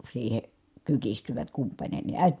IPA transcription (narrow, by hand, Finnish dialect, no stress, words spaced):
siːhe kykistyʋæt kumpɑnʲeni æˑet